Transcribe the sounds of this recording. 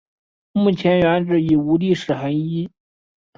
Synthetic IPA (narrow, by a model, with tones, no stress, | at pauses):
mu˥˩t͡ɕʰjɛ˧˥nɥɛ˧˥nʈ͡ʂɻ̩˧˩i˨˩u˧˥li˥˩ʂɻ̩˨˩xə˧˥ni˥